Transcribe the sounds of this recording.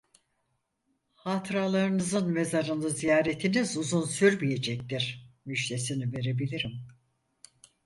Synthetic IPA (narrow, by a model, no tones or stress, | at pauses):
hat̪ʰɾaːlˠaɾɯnɯzɯnme̞zaɾɯnɯzijaːɾet̪ʰinizuzunsyɾmije̞d͡ʒɛc̚t̪iɾ̥myʃt̪esinive̞ɾe̞bilʲiɾim